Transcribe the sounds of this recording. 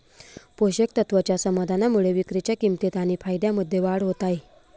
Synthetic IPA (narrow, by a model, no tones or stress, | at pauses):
poɕək̚t̪ət̪ʋt͡ɕjasəmad̪ʱanamuɭeʋikɾit͡ɕjakimt̪et̪aɽ̃ipʰajd̪jaməd̪ʱːjeʋaɽɦot̪ae